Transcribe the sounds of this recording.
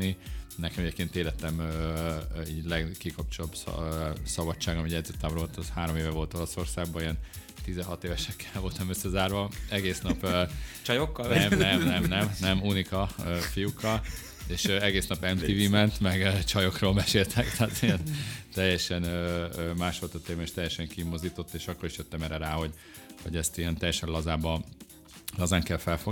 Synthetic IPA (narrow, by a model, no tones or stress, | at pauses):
ninɛkɛmɛɟeːp̚keːnt̪eːlɛt̪ːɛmø | iːɟlɛɡkikɒpt͡ʃolobssɒbɒt͡ʃːaːɡɒmiɟɛd̪zøt̪ːamɾot̪zhaːɾo̞meːvɛvo̞lt̪o̞lo̞so̞rsaːɡ̚bɒiɛn | t̪izɛɦɒt̪eːvɛʃɛkʰːɛ̥lvo̞lt̪ɒmøsːɛzaːrvɒɛɡeːsnɒpːt͡ʃɒjokːɒlmnɛmɛmnɛmnɛmunikɒøfijukːɒl | eːʃøɛɡeːsnɒpɛmt̪iːvimɛnt̪mɛɡøːt͡ʃɒjo̞kroːlbɛʃeːlt̪ʰɛkt̪ɛaːt̪ijɛnt̪ɛjːɛʃɛnøːømaːʃfolt̪ɒt̪ːeːmɛeːʃt̪ɛjːɛʃɛŋkimːo̞zd̪iːt̪o̞t̪ːeːʃɒkːoɾiʃjøt̪ːɛmɛːɾɛɾaːho̞ɟ | hoɟɛst̪ijɛnt̪ɛjːɛʃɛnlɒzaːbɒ | lɒzaːŋkɛlfɛlfoɡ